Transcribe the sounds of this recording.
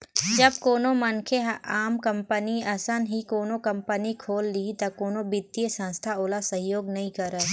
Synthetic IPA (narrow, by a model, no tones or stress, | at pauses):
d͡ʒɐbkoːnomɐnkʰeɦaːmkə̃mpəniɐsənɦikoːnokɐ̃mpənikʰoːlːit̪ɐkoːnobɪd̪iəsə̃nst̪ʰaoːlasəɦjoːɡnɐɦĩkəɾət̪